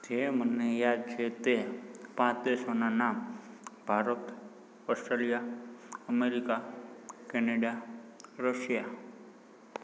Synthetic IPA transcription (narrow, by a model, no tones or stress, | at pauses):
d͡ʒemənejad̪̚t͡ʃʰet̪epãt͡ʃd̪esonanambʱaɾət̪ | ɔsʈɾelijaəmeɾikakɛneɖaɾəʃja